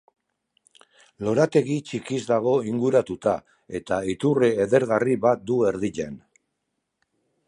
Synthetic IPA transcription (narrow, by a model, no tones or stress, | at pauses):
lo̞ɾat̪e̞ɣit͡ʃikizd̪aɣ̞o̞iŋɡuɾat̪ut̪a | e̞t̪ait̪ureːðe̞ɾɣariβat̪̚d̪ue̞ɾðiʎe̞n